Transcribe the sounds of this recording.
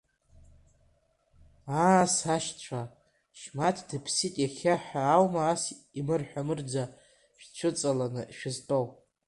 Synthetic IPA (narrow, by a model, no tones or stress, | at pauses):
asaʃt͡ɕʷʰa | ʃmatʰdɨpʰsitʼjaχʲaħᶣaːwmaːs | imɨrħʷᶣamɨrd͡za | ʃᶣt͡ʃʷʰɨt͡sʼalanɨʃᶣɪztʼowʼ